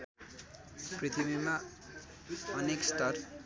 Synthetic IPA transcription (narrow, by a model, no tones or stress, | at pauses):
prit̪ʰibima | ʌnekst̪ʌr